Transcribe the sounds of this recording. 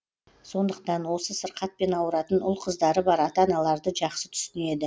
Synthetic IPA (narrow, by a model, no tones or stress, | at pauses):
so̞nd̪əqt̪ɑnwo̞səsəɾqɑt̪̚pe̞nɑwəɾɑt̪ənʊlˠqʰəzd̪ɑɾəbɑɾɑt̪ɑnɑlˠɑɾd̪əʒɑqsət̪ʰʏ̥sɪne̞d̪ɪ